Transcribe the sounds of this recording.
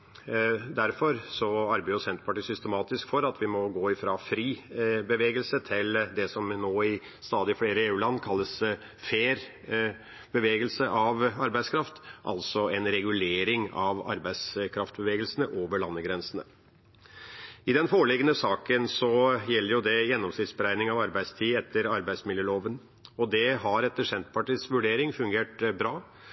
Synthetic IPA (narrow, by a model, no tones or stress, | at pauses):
d̪æɾfɔɾsɔɑɾbæʊsɛnt̪pʰɑʈiːsʏst̪əmɑːt̪ɪskfɔɾɑt̪ʰʋɪmɔɡoːɪfɾɑːfɾiːbəʋeːɡəlsət̪ʰɪld̪ɛsɔmnoːɪ | st̪ɑːd̪ɪfleːɾəeːʉːlɑnːkʰɑlːəs | feːɾ | bəʋeːɡəlsəʔɑʋɑɾbæɪskʰɾɑft̪ʔɑ̰lsɔɛnɾɛɡʉleːɾɪŋɑʋɑ̰ɾbæɪskʰɾɑft̪bəʋeːɡəlsənəʔoːʋəɭɑnːəɡɾɛnsənə | ɪd̪ɛnfoːɭɪɡənəsɑːkənsɔjɛlːəɾjʊd̪ɛjɛnːɔmsnɪt̪sbəɾæɪnɪŋɑʋɑɾbæɪst̪ʰiːɛt̪ʰːəɾɑɾbæɪsmɪljøːloːʋən | ɔd̪ɛɦɑɾɛt̪ːəʂɛnt̪pʰɑʈɪsʋʉɖeːɾɪŋfʉŋɡeːʈbɾɑː